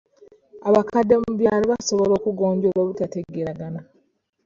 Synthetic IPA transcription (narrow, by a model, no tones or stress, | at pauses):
aβakadːemuβjaːliβaso̞βolo̞ːkuɡo̞ːɲɟoβwaβutateɡeɾaɡana